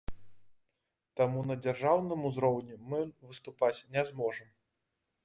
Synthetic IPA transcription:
t̪amunɐd͡zʲarʐawnɨmuzɾɔwnʲɛmɨvɨst̪upat͡sʲnʲɛzmɔʐɨm

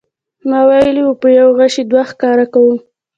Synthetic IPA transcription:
mɑwajəliwopəjawɣaʃid̪waxkɑɾakawum

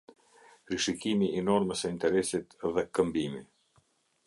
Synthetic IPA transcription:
ɾiʃikimiːnɔɾməsəint̪ɛɾɛsit̪ðɛkəmbimi

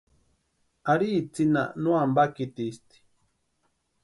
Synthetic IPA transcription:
aɾit͡sina̰nuambakit̪ist̪i̥

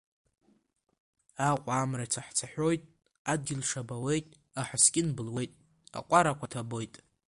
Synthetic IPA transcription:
aqʷʼaːmrat͡sʰaħt͡sʰaħʲʷᶣo̞jtʼ | ad̚ɡʲɪlʂabawe̞jtʼ | aħaskʲʼɪnbɨlwe̞jtʼ | a̰qʷʼaɾakʷʰatʰabo̞jtʼ

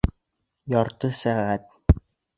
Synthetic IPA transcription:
jɒɾt̪ɤsæʁæt̪̚

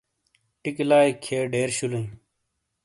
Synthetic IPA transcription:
ʈɪklaːikʰeːɖeːɾɕulə̃i

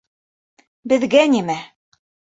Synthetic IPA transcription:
bɘ̆ðɡænimæ

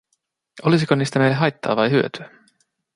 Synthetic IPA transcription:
ʔolis̬ikoniːst̪æmejlːeɦɑjt̪ːɑ̰ːʋɑjɦyøt̪yæ

